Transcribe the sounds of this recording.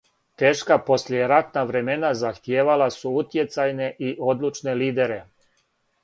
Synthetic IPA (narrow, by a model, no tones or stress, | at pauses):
t̪e̞ːʃkapo̞slejeɾat̪naʋɾe̞me̞nazaxt̪jeːʋalasuut̪je̞t̪sajne̞ʔiʔo̞d̪lˠut͡ʃne̞liːd̪e̞ɾe̞